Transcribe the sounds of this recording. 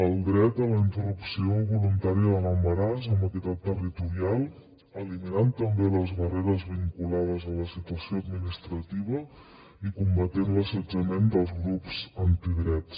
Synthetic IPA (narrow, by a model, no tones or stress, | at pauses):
əlˠd̪ɾɛt̪ələint̪ərupsioβulunt̪aɾiəðələmbəɾazəmbəkit̪at̪ːərit̪uɾialˠ | əliminant̪əmbeləzβəreɾəzβiŋkulað̞əzələsit̪uəsioəd̪minist̪ɾət̪iβ̞ə | ikumbət̪enləsəd͡ʒəmend̪əlˠzɣɾupzənt̪iðɾɛts